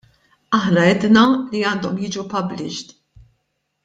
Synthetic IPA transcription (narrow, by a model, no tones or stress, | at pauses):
ɐħnɐɛd̪nɐliɐːnd̪ɔmjiːd͡ʒupɐblɪʃt̪